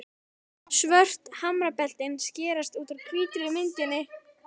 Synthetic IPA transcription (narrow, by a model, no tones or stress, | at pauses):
svœr̥t̪hamɾapɛl̥t̪ɪnscɛːɾast̪uːt̪aɾkʰviːt̪ɾɪɾɪmɪnt̪ɪnːɪ